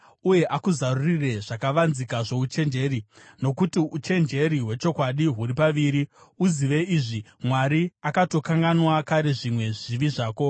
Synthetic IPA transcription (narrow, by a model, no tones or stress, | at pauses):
uje̞ʔakuzarurire̞ʐakaʋanzikaʐe̞ut͡ʃe̞nd͡ʒe̞ːɾino̞kutiut͡ʃe̞nd͡ʒe̞ɾiɦwe̞t͡ʃo̞kwaɗiɦuɾipaʋiːɾiuziʋe̞iʐimwaɾiakato̞kaŋɡanwakaɾe̞ʐimwe̞ʐiʋiʐaːko̞